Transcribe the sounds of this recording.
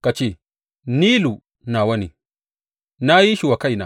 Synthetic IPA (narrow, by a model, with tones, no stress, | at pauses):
ka˨t͡ʃeː˦˨ | niː˦lu˨ | na˨wɐ˦nḭ˨ | na˦ji˦ʃi˨wa˨ka˦jna̰˨